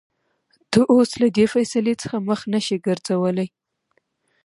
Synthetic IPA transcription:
d̪̥əʔoslad̪efajsalet͡sə̥xaməxnaʃiɡəɾz̥awəlaj

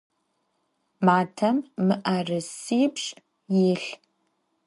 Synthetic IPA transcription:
maːtʰɐmːɨʔɐrɨsiːpʂʼ | jiɬ

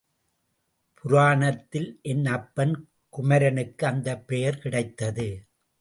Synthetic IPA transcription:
pʰʊɾaːɳɐt̪ːɪlʔɛnːɐpːɐn | kʊmɐɾɐnɯkːɯɐnd̪ɐpːɛjɐɾkɪɽɐɪt̪ːɐðɯ

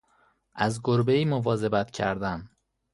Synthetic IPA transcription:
ʔæzɡoɾbeiːmovɒːze̞bæt̪ʰcʰæ̰ɾd̪æm

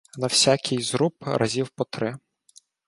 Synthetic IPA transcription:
nɐwsʲakʲʰɪjzɾupɾʔɐzʲiwpɔt̪ɾɪ

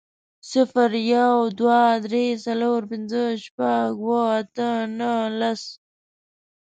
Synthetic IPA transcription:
sɪfəɾjawd̪wad̪ɾesaloɾpɪnzəʃpaɡwəat̪ənəlas

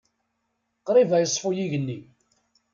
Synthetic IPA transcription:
qɾˤivæjəsˤfʊjiʝənːi

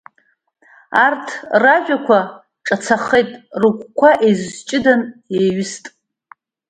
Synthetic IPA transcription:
artʰraʒʷᶣakʷa | ʈ͡ʂʼat͡sʰaχejtʼrɨkʷʰʼkʷʰaʔejzzt͡ʃʼɪdaneɥʊstʼ

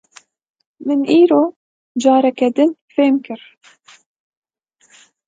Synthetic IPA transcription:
mɨnʔiːɾoː | d͡ʒɑːɾɛkɛd̪ɨnfeːmkɨɾ

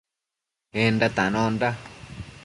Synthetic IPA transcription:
endat̪anɔ̃nda

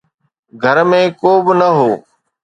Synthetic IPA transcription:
ɡʱəɾmẽːkoːbnəɦoː

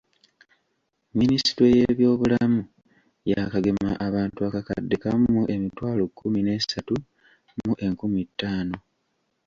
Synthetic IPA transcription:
ministɾeje̞βjo̞ːβulamu | jakaɡe̞maʔaβaːntuakaka̰dːekamːuʔe̞mitwaːlokʰːumine̞ːsatu | muʔe̞ŋkumitːaːno̞

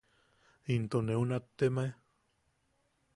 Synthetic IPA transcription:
int̪oneunat̪ːemae

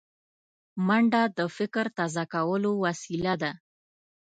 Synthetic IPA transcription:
maɳɖad̪əfɪkɾt̪azakawəlowasilad̪a

